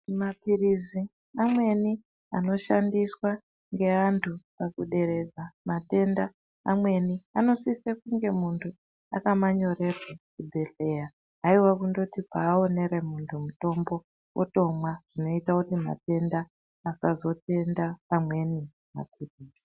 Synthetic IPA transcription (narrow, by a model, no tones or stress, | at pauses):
mapirizi | amwe̞ni | ano̞ʃandiswa | ŋɡe̞antʰupakuɗe̞ɾe̞d͡zamate̞ndaː | mwe̞niano̞sisekuŋɡe̞muntʰu | akamaɲo̞re̞rwakubʱe̞ɬe̞ːja | aiwakundo̞tipaːo̞ne̞ɾe̞muntʰumuto̞mbo̞ | wʔo̰to̞mwaʐ̥ino̞itakutima̰te̞ndaː | sazo̞te̞ndapamwe̞ni | ma̰p̚ʰiriːz̥i